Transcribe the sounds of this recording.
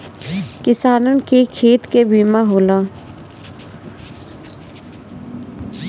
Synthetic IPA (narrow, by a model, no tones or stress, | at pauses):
kɪsaːnənkekʰeːt̪kebiːmaɦoːlaː